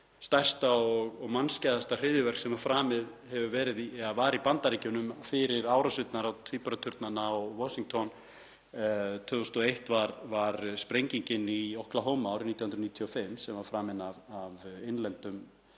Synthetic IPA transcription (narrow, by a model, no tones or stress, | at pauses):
st̪ajr̥st̪aɔɣɔɣmanscɛːðast̪ar̥ɪːðʏvɛr̥ksɛmafɾaːmɪð | hɛvʏvɛːɾɪðiavaːɾipant̪aɾiːcʏnʏmfɪɾɪɾaːwɾasʏt̪naɾawt̪ʰipɾat̪ʰʏɾt̪nanaɔvɔsiŋt̪ʰɔn | t̪ʰœːɔst̪ɔejht̪vaɾvaɾspɾejɲciɲcɪniowhklaɦɔːmawɾniːt̪jhʏnɾniːt̪ʰiɔfɪmsɛmvaɾfɾaːmɪnavavenlɛnt̪ʏm